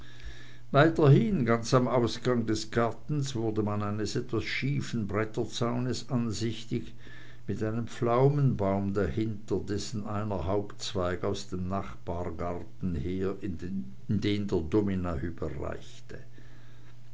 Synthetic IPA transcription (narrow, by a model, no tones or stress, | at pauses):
vaɪtɐhɪnɡant͡samaʊsɡ̥aŋdɛsɡ̥aɐtn̩sv̥ʊɐdəmanaɪnəsɛtv̥asʃiːfn̩bʁɛtɐt͡saʊnəsanzɪçtɪç | mɪtaɪnəmflaʊmənbaʊmdahɪntədɛsn̩ʔaɪnɐhaʊpt͡sv̥aɪkaʊsd̥eːmnaχb̥aːɐɡaʁtn̩heːɐ | ɪndeːndeːɐdominayːbəʁa̰ɪçtə